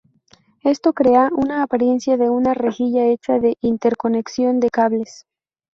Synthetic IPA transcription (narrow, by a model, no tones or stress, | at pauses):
e̞st̪o̞kɾe̞aʔunaːpaɾje̞nsjaðe̞unare̞xiʝae̞t͡ʃaðe̞ʔint̪e̞ɾko̞ne̞ksjo̞nd̪e̞kaβle̞s